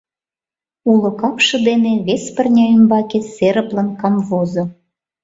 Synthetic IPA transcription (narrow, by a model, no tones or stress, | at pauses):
ulŏkɑpʃɤ̆d̪eneβespə̆rnʲɑymbɑkeseɾəplə̆nkɑmvozo